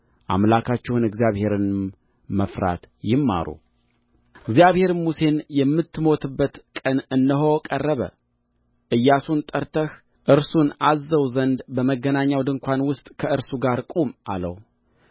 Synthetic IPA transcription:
ʔa̰mlakʰat͡ʃːɛwunɨɡzijaβhe̞ɾɨn | məfɾa̰t̪jɪmːa̰ɾṵ | ɨɡzjaβhe̞ɾmuse̞njɛmːɨt̪ʰːɨmo̞t̪ʰɨbːət̪kʼənɨnːəɦokʼərːəβə̰ | ʔɨjːasunt̪ʼəɾt̪ʰəh | ʔɨɾsunazːəwzənd̪bəməɡːənaɲːawd̪ɨŋkʷʰanwʊst̪ʼkʰəɨɾsuɡaɾkʼumʔa̰lə̰w

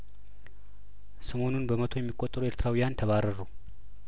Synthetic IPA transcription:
səmo̞nunbəmət̪ʰo̞jɛmːikʼːot̪ʼːəɾueɾt̪ʰɾawijant̪ʰəβaɾəɾu

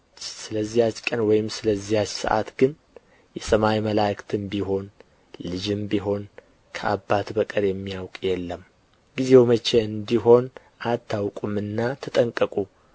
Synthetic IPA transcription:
sɨləzːihat͡ʃːkʼənwɔjɪmsɨləzːihat͡ʃːsɨ̰ʔa̰t̪ɡɨn | jɛsəmajməlajkt̪ʰɨmbiɦo̞n | lɨd͡ʒɨmbiɦo̞n | kʰəʔa̰bːat̪bəkʼəɾjɛmːijawkʼjɛlːəm | ɡizewmət͡ʃːeɨnd̪iɦo̞n | ʔat̪ʰːawkʼumɨnːat̪ʰət̪ʼəŋkʼəkʼu

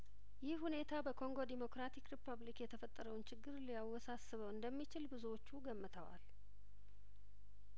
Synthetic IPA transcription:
jɪhhune̞t̪ʰabəkʰo̞ŋɡo̞d̪imo̞kɾat̪ʰikɾipʰːəβlikjɛt̪ʰəfət̪ʼːəɾəwnt͡ʃʰɪɡːɨɾlijawːɔsasːɨβəwɨnd̪əmːit͡ʃɪlbɨzuwot͡ʃːuɡəmːɨt̪ʰəwa̰l

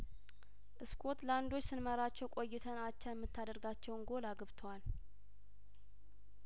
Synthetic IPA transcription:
ʔɨskʰo̞t̪land̪o̞t͡ʃːsɨnməɾat͡ʃːɛwkʼo̞jːɪt̪ʰənat͡ʃːajɛmːɨt̪ʰːad̪əɾɡat͡ʃːɛwnɡolaɡɨβt̪ʰəwal

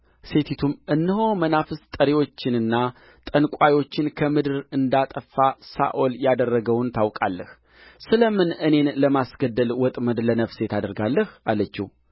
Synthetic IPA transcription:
se̞t̪ʰit̪ʰumʔɨnːɨɦo̞mənafɨst̪ʼəɾewo̞t͡ʃːɪnɨnːa | t̪ʼənkʷʼajo̞t͡ʃːɪnkʰəmɨd̪ɨɾɨnd̪at̪ʼəfːasa̰ʔoljad̪ərːəɡəwnt̪ʰawkʼalːəh | sɨləmɨnɨne̞nləmasɡəd̪ːəlwɔt̪ʼməd̪lənəfse̞t̪ʰad̪əɾɡalːəhalːət͡ʃːḭw

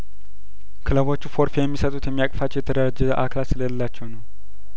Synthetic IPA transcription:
kʰɨləβo̞t͡ʃːufo̞ɾfejɛmːisət̪ʼut̪jɛmːijakʼfat͡ʃːɛwjɛt̪ʰəɾəɾad͡ʒɛzəʔakʰlasɨləlːat͡ʃːɛwnəw

